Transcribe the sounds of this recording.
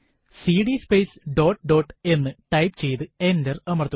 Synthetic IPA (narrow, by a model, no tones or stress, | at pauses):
siːɖispejsɖo̞ːʈːɖo̞ːʈːɨe̞nːɨʈɐjpt͡ɕe̞jt̪ɨe̞ndɐrɐmɐrt̪ːu